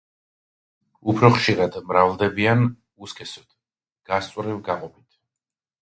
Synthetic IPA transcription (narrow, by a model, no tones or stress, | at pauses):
upʰɾɔχʃiɾad̪mɾavlˠd̪ɛbian | uskʰɛsɔd̪̥ | ɡ̥ast̪sʼwɾivɡaqʼɔbit̪ʰ